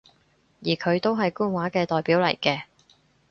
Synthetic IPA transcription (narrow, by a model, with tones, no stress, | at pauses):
jiː˨˩kʰɵ˨˧ɥt̪o˥wɦɐ˨jkuː˥nwaː˨˥kɛː˧t̪ɔː˨jpiː˨˥wlɐ˨˩jkɛː˧